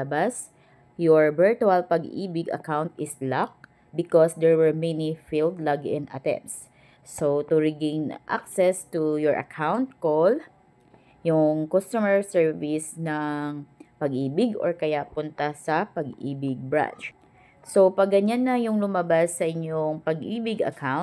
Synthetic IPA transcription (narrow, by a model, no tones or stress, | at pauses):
ɐbas | joɹbɛɹt̪uɐlpɐɡʔḭːbɪɡɐ̰kawnt̪ʔɪslak̚ | bɪkɔsd̪ɛɹwɛɹmɛnifild̪laɡɛ̃nd̪a̰t̪ɛ̰̃msː | ot̪uɹɪɡẽjnʔa̰k̚sɛst̪ujɔɹʔɐ̰kʰawnt̪̚kol | jʊŋkost̪umɛɹsɛɹvisnɐŋpɐɡʔiːbɪɡʔɔɹkɐjapʊnt̪ɐsɐpɐɡʔiːbɪɡ̚bɹã̰nt͡ʃ | sopɐɡɐɲanːɐjʊŋlʊmabasːɐʔɪɲoŋpɐɡʔiːbɪɡɐ̰kʰawn̚